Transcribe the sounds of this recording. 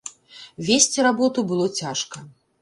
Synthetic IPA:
vʲesʲt͡sʲiɾabɔt̪ubɨlˠɔt͡sʲaʂkɐ

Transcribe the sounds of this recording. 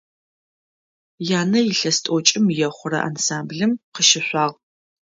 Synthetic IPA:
jaːnɐjɪɬɐstʼot͡ʃʼɪmjɛχʷʊɾɐ̰ʔa̰nsaːmbɮɨmqəʃɪɕʷɑːʁ

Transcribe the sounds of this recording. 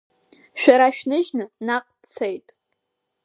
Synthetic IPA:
ʃᶣaɾaʃᶣnɨʒnɨnaqʼt͡sʰejtʼ

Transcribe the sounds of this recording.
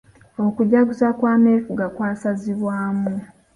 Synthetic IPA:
okuɟaɡuzakwaːmeːfuɡakwaːsaziβwaːmu

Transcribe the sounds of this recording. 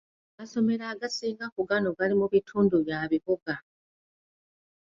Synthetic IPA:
amaso̞me̞ɾaːɡasiːŋɡakuɡanoɡalimuβitʰuːnduβjaβiβuɡa

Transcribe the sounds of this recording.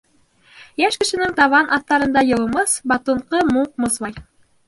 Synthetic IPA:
jæʃkɘ̆ʃɘ̆nɘŋt̪ɑβɑnʔɑθt̪ɑɾɤ̆nd̪ɑjɤ̆lˠɤ̆mɤsbɑt̪ŏɴqɤmuq̚mɤ̆sβɑj

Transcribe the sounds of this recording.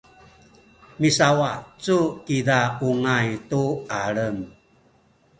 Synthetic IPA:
misawat͡sukidauŋajtuaɭəm

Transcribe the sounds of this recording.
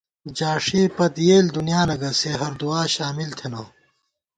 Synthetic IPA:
d͡ʑaːʂeːpɐt̪jeːld̪unijaːnɐɡɐseɦɐɾd̪uaːɕaːmilt̪ʰenɐː

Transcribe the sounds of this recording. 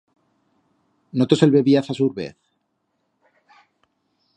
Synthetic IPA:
not̪oselβeβiasasuɾβḛθ

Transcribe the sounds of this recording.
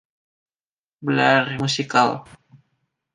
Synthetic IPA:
bəlarmusikal

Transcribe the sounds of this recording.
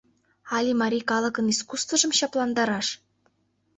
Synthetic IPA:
ɑlʲimɑɾʲikɑlˠɤ̆kɤ̆niskust̪vɤ̆ʐɤ̆mɕɑplˠɑnd̪ɑɾɑʂ

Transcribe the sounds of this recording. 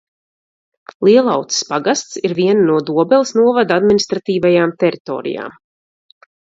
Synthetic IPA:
lˠiɛlˠawt̪spaɡast̪siɾviɛnanuɔd̪uɔbɛlˠisnuɔvad̪ad̪minist̪ɾat̪iːvajaːmt̪ɛɾit̪ɔ̰ːɾḭja̰ːm

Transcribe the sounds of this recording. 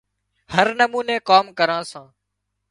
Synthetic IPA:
həɾnəmuːnẽːkaːmkəɾãːsãː

